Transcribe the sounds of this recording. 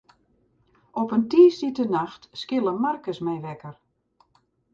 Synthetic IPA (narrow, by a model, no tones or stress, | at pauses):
ɔpəntiːstitənaxtskɪlˠəmarkəsmɛjʋɛkər